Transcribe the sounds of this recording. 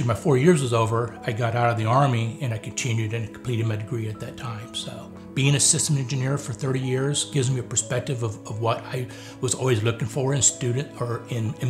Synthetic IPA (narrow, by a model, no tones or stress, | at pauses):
maɪfɔɹjɪɹzwʌzoʊvə˞aɪɡɑɾaʊɾʌvðiɑɹmiɨ̃ñaɪkʰɨ̃n̩tʰɪ̃njʉɾɨ̃nɨkʰm̩pʰl̥iɾɨd̚maɪdɨɡɹiɨt̪̚ðɨtʰãɪ̃msoʊ | b̥iɪ̃ŋɨsɪstə̃mɛ̃nd͡ʒɨnɪɹfə˞θɜ˞ɾijɪɹzɡ̥ɪvz̃ŋmiɨpʰə˞spɛk̚tɨvʌvʌvwʌɾaɪ | wʌzɔ̰lˠwizlʊkɪ̃ŋfə˞ɨ̃nstʉdⁿn̩tə˞ɪ̃nɨ̃